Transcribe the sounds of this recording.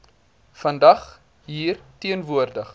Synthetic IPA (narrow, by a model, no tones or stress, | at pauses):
fɐndɐχ | ɦiːrtiənvuərdəχ